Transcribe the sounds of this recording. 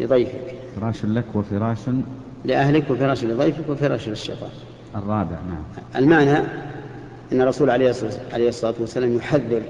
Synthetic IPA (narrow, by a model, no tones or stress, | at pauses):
lɪ̰ðˤɑjfɪ̰kfɪɾˤɑːʃnlakwɪfɪɾˤɑːʃ | lɪʔahlɪkwɪfɪɾˤɑːʃlɪðˤɑjfɪkwɪfɪɾˤɑ̰ːʃlɪʃːɪ̰t̪ˤɑ̰ː | ʔɨrˤːɑːbɪ̰ʕnaʕamʔɪ̰lmaʕna | ʔɪnːɑrˤːɑsuːlʕalejʕa̰lejhsˤːɑlɑːt̪wasːalaːmjʊħaðːɪɾ